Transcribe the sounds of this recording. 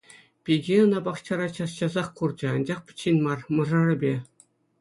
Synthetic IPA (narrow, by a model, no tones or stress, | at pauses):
pʲiɡʲeɤ̆nɑbɑχt͡ɕɑɾɑt͡ɕɑsɕɑzɑχkurd͡ʑɤ̆ɑnd͡ʑɑχpʲɘ̥̆t͡ɕːinʲmɑrmɤ̆ʐɤ̆rɘ̆bʲe